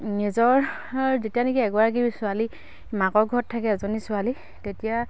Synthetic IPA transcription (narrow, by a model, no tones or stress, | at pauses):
nizɔɹ | zetijanekiɛɡɔaɡibisʊali | makɔɹɡʱɔtʰːakɛzɔnisʊali | tetija